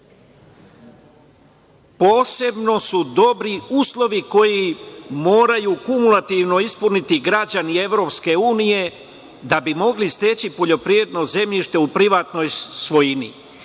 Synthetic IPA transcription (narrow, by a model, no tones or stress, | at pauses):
po̞ːse̞bno̞sud̪o̞bɾiuːslˠo̞ʋiko̞jimo̞ːɾajukumulˠat̪iʋno̞ispunit̪iɡɾad͡ʑanie̞ʋɾo̞ːpske̞uːnije̞ | d̪abimo̞ɡlist̪e̞t͡ɕipo̞ʎo̞pɾiɾed̪no̞ze̞mʎiʃt̪e̞upɾiʋaːt̪no̞jsʋo̞jinḭ